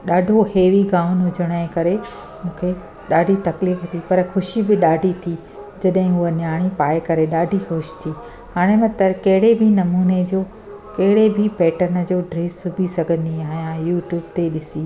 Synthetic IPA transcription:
ɗaːɖʱoheːʋiɡãːʊnʊd͡ʑʱəɽ̃əẽkɐɾe | mũːkʰe | ɗaːɖʱit̪ɐkliːft̪ʰipɐɾxʊʃibɪɗaːɖʱit̪ʰi | d͡ʑɐɗɦɪ̃ɦʊənjaːɽ̃ipaːekɐɾeɗaːɖʱixʊʃɪ̥t̪ʰiː | haːɽ̃ẽmɐ̃t̪ɐɾkɐɦɪɽebʱɪnɐmuːned͡ʑoː | kɐɦɪɽebʱɪpɛːʈənəd͡ʑoːɖɾeːsʊbʱisɐɡʱə̃nd̪iaːɦjãjuːʈjuːb̚t̪eɗɪsiː

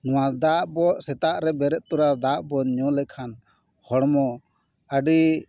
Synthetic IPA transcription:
nɔwad̪aʔbɔʔsɛt̪aʔɾɛbɛɾɛʔ̪̚t̪uɾad̪aʔbɔɲɔ̃lɛkʰan | hɔɽmɔ | aɖi

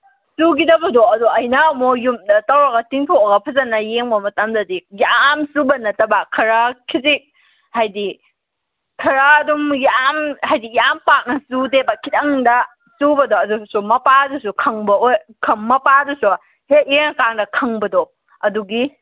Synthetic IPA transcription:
suɡidɐbɐdoɐdoɐjnɐmojumtɐwɾaɡɐtiŋtʰokɐɡɐpʰɐzɐnɐjeŋbɐmɐtɐmdɐdijamsubɐnːɐtɐbakʰɐɾakʰizik̚ | hajdi | kʰɐɾaːdumjamhajdijampak̚nɐsudebakʰitɐŋdɐ | subɐdoɐdusumɐpadusukʰɐŋbɐojkʰɐmːɐpadusu | het̚enɐkaŋdɐkʰɐŋbɐdo | ɐduɡi

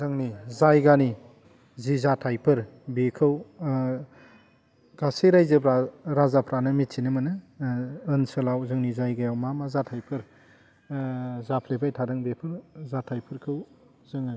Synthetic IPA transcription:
zɯŋnizajɡani | zizatʰajpʰɯɾ | bekʰɯw | ɡ̥asiɾajzɯpɾaɾazapʰɾanɯmit̚sʰinɯmɯnɯː | nsɯlawzɯŋnizajɡajawmamazatʰajpʰɯɾ | zapʰlebajtʰadɯŋbepʰɯɾzatʰajpʰɯɾkʰɯw | zɯŋ

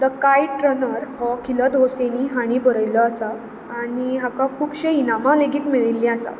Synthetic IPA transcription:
d̪əkajʈɾənəɾhɔkʰiləd̪oseniɦaɽ̃ibəɾəjləasaː | ɽiɦakakʰuːpɕeinamãleɡiːt̪miɭilːĩasa̰

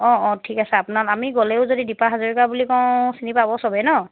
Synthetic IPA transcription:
ɔ̃ɔ̃tʰikasɛapunalamiɡolɛʊzodidipaɦazoɹikabulikɔw̃sinipabɔsɔbɛnɔ

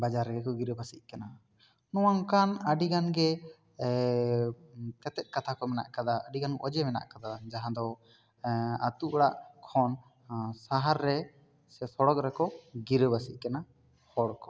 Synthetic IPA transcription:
bad͡ʒaɾɛɡɛkɔɡiɾəbasiʔ̚kana | nɔwaŋkanəɖiɡanɡɛ | k̪ɛt̪ɛt̪̚kat̪ʰakɔmɛna̰ʔkad̪aəɖiɡanʔɔd͡ʒɛmɛna̰ʔkad̪ad͡ʒaɦãd̪ɔ | at̪uʔɽaʔkʰɔn | saɦaɾːɛ | sɛsɔɽɔkɾɛkɔɡiɾəbasiʔ̚kana | hɔɽkɔ̥

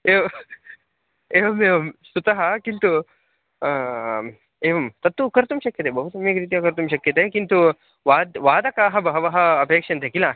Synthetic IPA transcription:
eːʋɐ | eːʋɐmeːʋɐmsut̪ɐɦɐkint̪u | eːʋɐmt̪ɐt̪ːukɐɾt̪umʃɐkjɐt̪ebʱɐɦut̪ɐmeːkɾiːt̪̬ijakɐɾt̪umʃɐkjɐt̪ekint̪u | ʋaːd̪ʋaːd̪ɐkaːɦɐbɐɦɐʋɐɦɐːpeːkʂɐnt̪ekila

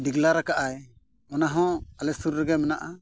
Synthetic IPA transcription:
diɡlaɾakaʔaj | mɔnaɦɔ̃alɛsuɾɾɛɡɛmɛnaʔa

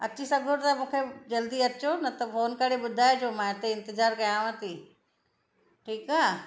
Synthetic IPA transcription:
ɐt͡ɕʰisɐɡʱoɾt̪ɐmũːkʰed͡ʑɐld̪iɐt͡ɕonɐt̪ɐfoːnkɐɽeɓʊd̪ʱaːjed͡ʑoːmãɪt̪eɪ̃nt̪ɪzaːɾkɐjãʋə̃t̪i | ʈʰiːkaː

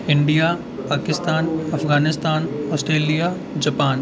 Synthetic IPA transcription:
ɪ̃ɳɖija | paːkɪst̪aːnɐfɡaːnɪst̪aːnɔːsʈɾeːlija | d͡ʒɐpaːn

